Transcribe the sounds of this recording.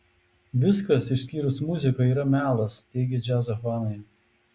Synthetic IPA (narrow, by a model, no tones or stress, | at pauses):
ʋʲɪskɐsɪʃʲsʲkʲiːɾʊsmʊzʲɪkoiːɾɐmʲæːlˠɐst̪ʲɛɪɡʲɛd͡ʒʲæzɐfɑːnɐɪ